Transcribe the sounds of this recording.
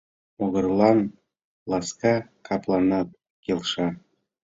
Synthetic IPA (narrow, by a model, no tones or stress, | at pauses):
oɣɤ̆rlˠɑn | lˠɑskɑkɑplˠɑnɑt̪̚ | kʲelʃɑ